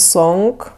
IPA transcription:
ˈsoːŋk

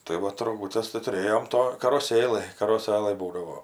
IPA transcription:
tɐɪ ˈʋɐt roːˈɡʊtʲɛs tɐɪ tʊˈrʲeːjoːm ˈtoː kɐroːˈsʲeːlˠɘj kɐroːˈsɘlˠɘj ˈbuːdɐʋoː

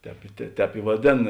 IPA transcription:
ˈtʲɛːp ɪ tʲɛ ˈtʲɛːp ɪ ʋɐˈdʲeːn

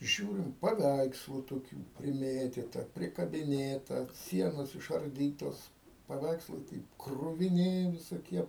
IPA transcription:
ˈʒʲuːrʲɪm pɐˈʋʲɛɪkslˠʊ toːˈkʲuː pʲrʲɪˈmʲeːtʲiːtɐ pʲrʲɪkɐbʲɪˈnʲeːtɐ ˈsʲiɛnoːs ɪʃɐrʲˈdʲiːtoːs pɐˈʋʲɛɪkslˠɐɪ ˈtɐɪp krʊʋʲɪˈnʲɪ ʋʲɪsoːˈkʲiɛ

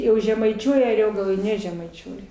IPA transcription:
ˈjɛʊ ʒʲɛmɐɪˈt͡ʃʲuɔjɛ ɐˈrʲoːɡɐlˠoːj ˈnʲæːʒʲɛmɐɪt͡ʃʲuɔjɛ

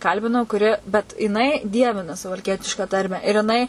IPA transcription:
ˈkɐlʲbʲɪnɐʊ kʊˈrʲɪ bʲɛt jɪˈnɐɪ ˈdʲiɛʋʲɪnɐ sʊʋɐlʲˈkʲiɛtʲɪʃkɑː ˈtɐrʲmʲæː ɪr jɪˈnɐɪ

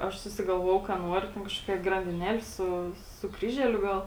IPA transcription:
ˈɐʃ sʊsʲɪɡɐlˠˈʋoːjɛʊ kɐ ˈnuɔrʲʊ tʲɛn kɐʃˈkoːkʲɛ ɡrɐnʲdʲɪˈnʲæːlʲɪ ˈsʊ sʊ ˈkrʲiːʒʲɛlʲʊ ˈɡɐlˠ

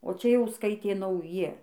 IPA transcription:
oː ˈt͡ʃʲɛ jɛʊ ˈskɐɪtʲeː nɐʊˈjɪ

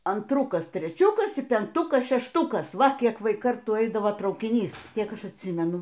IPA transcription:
ɐntˈrʊkɐs tʲrʲɛˈt͡ʃʲʊkɐs iː pʲɛŋkˈtʊkɐs ʃʲɛʃˈtʊkɐs ˈʋɐ ˈkʲiɛk ˈʋɐɪ ˈkɐrtuː ˈɛɪdɐʋoː trɐʊkʲɪˈnʲiːs ˈkʲiɛk ˈɐʃ ɐtʲˈsʲiːmʲɛnʊ

